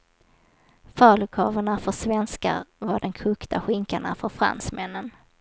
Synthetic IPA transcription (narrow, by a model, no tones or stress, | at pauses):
fœːɭəkʰɑːvəɳafœʂvɛnska̰ɾvaɖɛnkʰɵːkt̪ʰaɧɪŋkaɳa̰fœɾfɾa̰nsmɛnːən